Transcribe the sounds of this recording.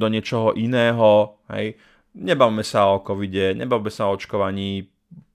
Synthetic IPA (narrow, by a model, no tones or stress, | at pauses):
d̪ɔɲɪɛt͡ʃɔɦɔʔinɛːɦɔɦɛ̰j | ɲɛbaʋimɛsaɔkɔʋiɟɛɲɛ̰baʋimɛsaɔɔt͡ʃkɔʋaɲiː